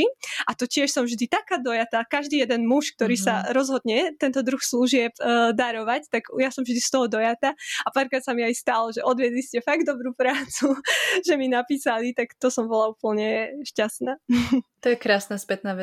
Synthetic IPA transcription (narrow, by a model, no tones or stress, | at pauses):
iat̪ɔcɪɛʃsɔmvʒd̪it̪akaːd̪ɔjat̪akaʒd̪iːjɛd̪ɛnmuʃk̚t̪ɔɾiːsaɾɔzɦɔd̪ɲɛt̪ɛnt̪ɔd̪ɾuxsluʒɪɛpd̪aɾɔʋact̪aɡjasɔmvʒd̪ist̪ɔɦɔd̪ɔjat̪aapaɾkɾaːt̪samiajst̪alɔʒɛʔɔd̪ʋɪɛd̪liscɛfaɡd̪ɔbɾuːpɾaːt͡suʒɛminapiːsalit̪akt̪ɔsɔmbɔlaupl̩ɲɛʃcast̪naːt̪ɔjɛkɾaːsnaspɛt̪naːʋɛ